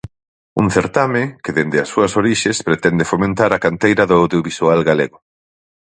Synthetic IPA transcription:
ṵŋθeɾt̪amekeðend̪ɪɐsːuɐsoɾiʃespɾet̪ɛnd̪efomẽnt̪aɾɐkant̪ejɾɐðʊawðjoβisualɣaleɣʊ

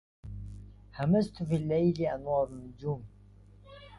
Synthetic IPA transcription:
hamast̪ʊfiːlːajlɪʔanwɑːɾnːʊd͡ʒuːm

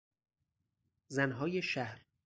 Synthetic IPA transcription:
zænɦɒːjeʃæhɾ

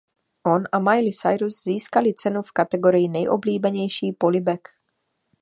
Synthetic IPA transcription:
ʔonʔamajlɪsajɾuzziːskalɪt͡sɛnufkat̪ɛɡo̞ɾɪjɪnɛjʔo̰bliːbɛɲɛjʃiːpolɪbɛk

